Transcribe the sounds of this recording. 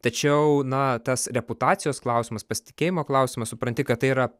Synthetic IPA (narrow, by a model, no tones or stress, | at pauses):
t̪ɐt͡ʃʲɛʊnɐt̪ɐsɾʲɛpʊt̪ɑːt̪ʲɪjoːsklˠɐʊsʲɪmɐspɐsʲɪ̥t̪ʲɪ̥kʲeːjɪmoːklˠɐʊsʲɪmɐsʊpɾɐnʲt̪ʲɪkɐt̪t̪ːɐɪiɾɐ